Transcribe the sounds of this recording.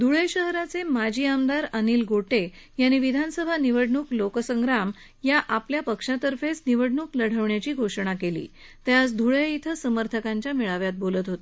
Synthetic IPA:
d̪ʱuɭejɕəɦɾat͡semad͡ʑʱiːamd̪aɾəniːlɡʱoʈe | jañiʋid̪ʱansəbʱaniʋəɽɳuːklokəsəŋɡɾam | jaʔapljapəkʂat̪əɾfet͡sniʋəɽɳuːkləɽ̤əʋɳjat͡ɕiːɡʱoʂɳ̃akelḭː | t̪jasd̪ʱuɭeit̪ʰəsəməɾt̪ʰəkaɲt͡ɕjamiɭaʋjat̪̚bolət̪ɦot̪e

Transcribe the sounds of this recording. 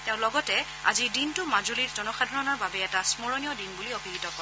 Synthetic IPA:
tɛʊ̃lɔɡɔtɛ | a̰zidintʊmazuliɹzɔnɔxadʱɔɹɔnɔɹbabɛɛtasmoɹɔnijɔdinbuliobiɡitɔkɔɹ

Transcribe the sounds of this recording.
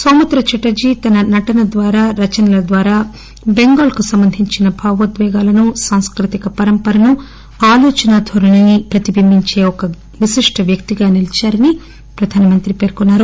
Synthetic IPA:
soːmɐt̪ɾɐt͡ʃɐʈɐd͡ʒiːt̪ɐnɐnɐʈɐnɐd̪ʋaːɾaːɾɐt͡ʃɐnɐlɐd̪ʋaːɾaː | beŋɡaːlkusɐmbɐnd̪ʱiɲt͡ʃinɐbʱaːʋɐd̪ʋɛːɡaːlɐnusaːŋskɾit̪ikɐpɐɾɐmpɐɾɐnu | aːloːt͡ʃɐnaːd̪ʱɐɾɐɳɐnipɾɐt̪ibʱimiɲt͡ʃe̞ːɔkɐ | ʋiʃiʂʈʰɐʋjɐkt̪iɡaːnilit͡ʃaːɾɐni | pɾɐd̪ʱaːnɐmɐnt̪ɾipe̞ːɾkunːaːɾu

